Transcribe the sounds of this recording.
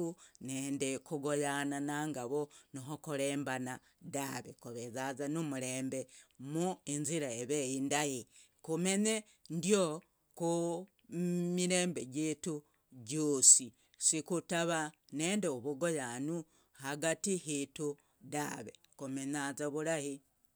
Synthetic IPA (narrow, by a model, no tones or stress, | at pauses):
uneːndekuɡojananaːŋɡaβonoɦokuɾeːmbana | daβḛkuβezazanumuɾeːmbemuinziɾaeβejindaji | kume̞ɲe | ndjo | ku | miɾe̞ːmbe̞ɟeːtu | ɟoːsi | sikutaβaneːndeoβuɡojanu | haɡatihitu | daβḛ | kumenazaβuɾahi